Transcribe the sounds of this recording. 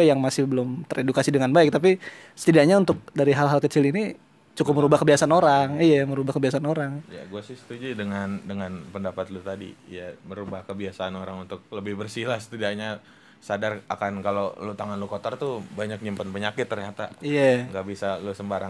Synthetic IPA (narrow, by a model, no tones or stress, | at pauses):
jaŋmasɪhbəlʊmt̪əɾedukasidəŋanbaɪk̚t̪ap̬i | sə̥t̪idaʔɲaunt̪ʊk̚daɾiɦalɦalkət͡ʃɪlini | t͡ʃukʊp̚məɾubahkəbiasaanoɾaŋijaməɾubahkəbiasaːnoɾaŋja̰ɡuasɪst̪ud͡ʒidəŋandəŋanpəndapat̪lut̪adḭjaməɾubahkəbiasaːnoɾaŋunt̪ʊk̚ləbɪhbərsilahsə̥t̪idaʔɲa | sadarakankalolut̪aŋanlukot̪ərt̪ubaɲak̚ɲimpanpəɲakɪt̪ːərɲat̪a̰ijaŋɡaʔbisalusəmbaɾaŋ